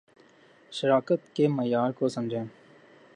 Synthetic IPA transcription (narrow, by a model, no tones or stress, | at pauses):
ʃəɾaːkət̪kemɐjaːɾkoːsɐ̃md͡ʒʱẽː